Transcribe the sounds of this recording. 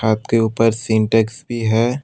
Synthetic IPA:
aːt̪keuːpəɾsɪ̃ɳʈeksbʱiɦɛː

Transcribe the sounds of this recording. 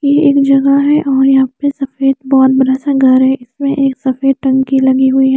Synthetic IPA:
jeeːkd͡ʒɐɡaɦɛʔɔːɾjɐɦãpesɐfeːd̪bɔɦɔt̪̚bɐɾasaɡʱɐɾɦɛɪsmẽʔeːksɐfeːd̪̚ʈɐ̃ŋkilɐɡiɦʊiɦɛː

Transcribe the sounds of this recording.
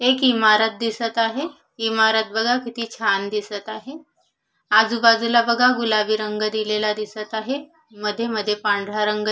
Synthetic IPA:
ekimaɾət̪̚d̪isət̪aɦe | imaɾət̪̚bəɡʱakit̪iːt͡ɕʰand̪isət̪aɦe | ad͡zuːbad͡zulabəɡʱaɡulaʋiːɾəŋɡəd̪ilelad̪isət̪aɦe | məd̪ʱːjeməd̪ʱːjepãɳɖʱɽaɾəŋɡə

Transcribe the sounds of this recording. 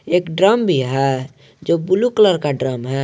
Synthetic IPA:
eːkɖɾəmbʱiɦɛ | d͡ʒobulukləɾkaɖɾəmɦɛ

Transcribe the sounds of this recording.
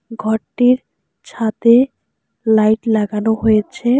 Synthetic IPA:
ɡʱɔɾʈiɾ | t͡ɕʰat̪e | lajʈlaɡanoɦojet͡ɕʰe

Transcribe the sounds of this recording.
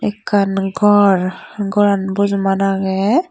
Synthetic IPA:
ɛkanɡɔɾɡɔɾanbuzmanaɡɛ

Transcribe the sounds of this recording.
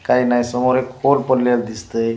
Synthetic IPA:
kainajsɔmoɾekolpəlːald̪ist̪əj

